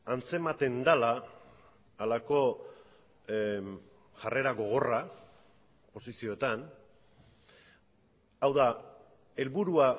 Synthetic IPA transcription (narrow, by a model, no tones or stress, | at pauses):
ant͡se̞mat̪e̞nd̪alaː | lako̞ | ʝare̞ɾaɣo̞ɣ̞o̞ra | po̞sisio̞et̪an | awða | e̞lβuɾua